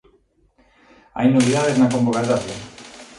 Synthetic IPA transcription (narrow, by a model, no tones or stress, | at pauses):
a̰jnːoβiðaðeznakombokat̪aθo